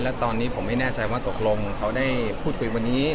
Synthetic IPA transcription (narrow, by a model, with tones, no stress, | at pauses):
lɛː˦˥t̪ɔː˧nːiː˦˥pʰo˩˦ma˥˩jnaː˥˩t͡ɕa˧jwaː˥˩t̪o˨˩k̚lo˧ŋkʰa˦˥wdaː˥˩jpʰuː˥˩kʰu˧jwa˧nːiː˦˥